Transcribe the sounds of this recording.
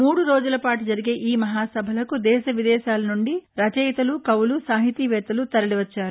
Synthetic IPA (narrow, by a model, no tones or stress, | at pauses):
muːɽuɾo̞ːd͡ʒulɐpaːʈud͡ʒɐɾiɡe̞ːʔiːmɐɦaːsɐbʱɐlɐkud̪ɛːʃɐʋid̪ɛːʃaːlɐnuɳɖiɾɐt͡ʃɛjt̪ɐlukɐwulusaːɦit̪iːʋɛːt̪ɐlut̪ɐɾɐɽiʋɐt͡ʃːaːɾu